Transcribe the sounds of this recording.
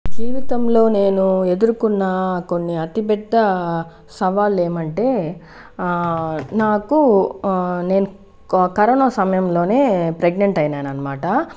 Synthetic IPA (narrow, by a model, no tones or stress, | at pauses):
d͡ʒiːʋit̪ɐmlo̞ːne̞ːnue̞d̪uɾukunːaːko̞nːiɐt̪ipɛd̪ːɐ | sɐʋaːlːe̞ːmɐɳʈe̞ː | naːku | ne̞ːnu | kɐɾɐɳoːsɐmɐjɐmlo̞ːne̞ːpɾeɡneɳʈɐjnaːnɐnːɐmaːʈɐ